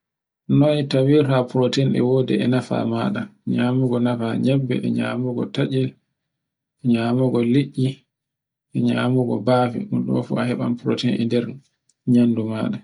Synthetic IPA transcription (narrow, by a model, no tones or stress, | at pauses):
nɔtawiɾhapuɾotɛnɛ̰woːdɛ̰ɛnafa̰maɗaɲaːmuɡɔnafaɲɛbːɛ̰ʔɛ̰ɲa̰ːmuɡɔ̰taʔɛl | ɛɲamuɡɔliʔːi | ʔɛɲaːmuɡɔ̰baːfɛ̰ɗunɗɔ̰fṵahɛɓa̰npɾo̰tɛnɛ̰ndɛɾ | ɲanduma̰ːɗa